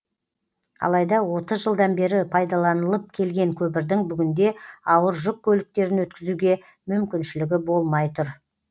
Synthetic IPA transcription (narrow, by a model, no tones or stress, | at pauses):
ɑ̰lˠɑjd̪ɑwo̞t̪əzʒəlˠd̪ɑnbe̞ɾɪpʰɑjd̪ɑlˠɑnəlˠəp̚kʲʰe̞lɡʲe̞ŋkʲʰɵpɪɾd̪ɪŋbʏɡʲɪnd̪e̞ɑwəɾʒʊk̚kʲʰːɵlɪk̚t̪e̞ɾɪnwɵt̪kʲɪzuɡʲe̞ | mʏmkʲɪnʃɪlɪɡʲɪbo̞lˠmɑjt̪ʊɾ